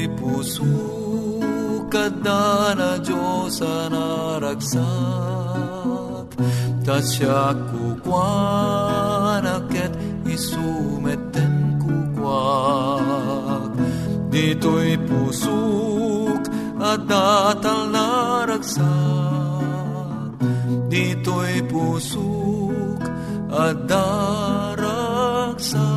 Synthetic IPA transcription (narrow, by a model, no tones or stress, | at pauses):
pusu | kɐd̪aːnɐd͡ʒosɐnaɾɐksa | t̪t̪ɐʃakːukwa | nɐket̪ | isumet̪enkukwa | kd̪it̪ojpusu | k | ad̪at̪alːaɾaksa | k̚d̪it̪ojpusu | k | ad̪a | ɾaksa